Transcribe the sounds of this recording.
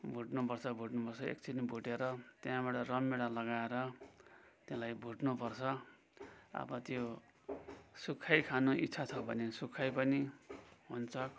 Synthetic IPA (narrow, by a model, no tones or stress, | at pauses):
bʱuʈnupʌrt͡sʰʌbʱuʈnupʌrt͡sʰʌḛk̚t͡sʰinibʱuʈeɾʌt̪jãbaɽʌrʌmːeɽalʌɡaeɾʌ | t̪jãlajbʱuʈnupʌrt͡sʰʌ | ʌ̰bʌt̪jo | sukʰːʌjkʰanoḭt͡sʰat͡sʰʌbʱʌnesukʰːʌjpʌniɦunt͡sʰʌk